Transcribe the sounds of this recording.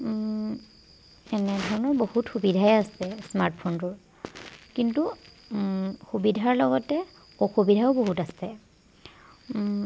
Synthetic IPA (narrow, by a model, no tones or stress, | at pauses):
ɛnɛdʱɔɹɔnɔɹbohutxubidʱajasɛsmaɹtpʰontʊɹ | kintu | xubidʱaɹlɔɡɔtɛ | ɔxubidʱaʊboɦutasɛ